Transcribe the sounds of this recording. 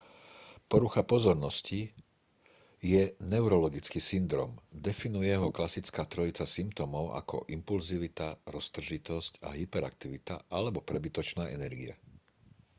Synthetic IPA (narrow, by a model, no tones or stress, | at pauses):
pɔɾuxapɔzɔɾnɔsci | jɛnɛʊɾɔlɔɡit͡skisind̪ɾɔ̰ːmd̪ɛfinujɛɦɔklasit͡skaːt̪ɾɔit͡sasimpt̪ɔmɔʊʔa̰kɔ̰ʔimpulziʋit̪aɾɔst̪r̩ʒit̪ɔsca̰ɦipɛɾa̰k̚t̪iʋit̪a̰ʔalɛbɔpɾɛbit̪ɔt͡ʃnaːʔɛ̰nɛɾɡiɛ̰